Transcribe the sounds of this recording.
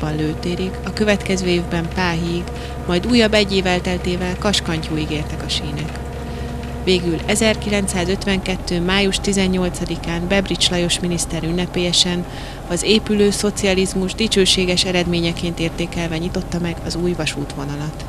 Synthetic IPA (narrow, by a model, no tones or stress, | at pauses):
bɒnløːt̪eːɾikɒkø̞vɛt̪kɛzøːeːvbɛmpaːɦiɡ | mɒjd̪uːjɒbːɛɟːeːvɛlt̪ɛlt̪eːvɛlkɒʃkɒɲcuːiɡeːrt̪ɛkɒʃiːnɛk | veːɡylɛzɛrkilɛnt̪saːzø̞t̪ʋɛŋkɛt̪ːøːmaːjuʃt̪izɛɲːo̞lt̪sɒd̪ikaːmbɛbrit͡ʃlɒjo̞ʃminist̪ɛɾynːɛpeːjɛʃɛn | ɒzeːpyløːso̞t̪siɒlizmuʒd̪it͡ʃøːʃeːɡɛʃɛɾɛd̪meːɲɛkeːnt̪eːrt̪eːkɛlvɛɲit̪o̞t̪ːɒmɛɡɒzuːjvɒʃuːt̪ʋo̞nɒlɒt̪